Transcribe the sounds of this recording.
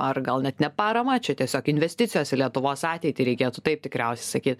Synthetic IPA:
ɐrɡɐlˠnʲɛt̪nʲɛpɑːɾɐmɐt͡ʃʲɛt̪ʲiɛsʲoːkɪnʲʋʲɛsʲt̪ʲɪtt͡sʲɪjoːsɪlʲiɛt̪ʊʋoːsɑːt̪ʲɛɪt̪ʲɪɾʲɛɪkʲeːt̪ʊt̪ɐɪp̚t̪ʲɪkɾʲɛʊsʲɛ̥ɪsɐkʲiːt̪̚

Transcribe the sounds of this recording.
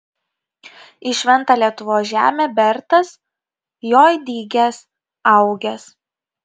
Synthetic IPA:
ɪʃʲʋʲɛnt̪ɑːˑlʲiɛt̪ʊʋoːsʒʲæ̰ːmʲeːbʲɛɾt̪ɐs | joːjd̪ʲiːɡʲɛs | ɐʊɡʲɛs

